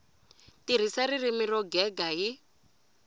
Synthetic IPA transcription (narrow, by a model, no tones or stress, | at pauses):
tiɾ̤isaɾirimirɔɡɛɡaɦi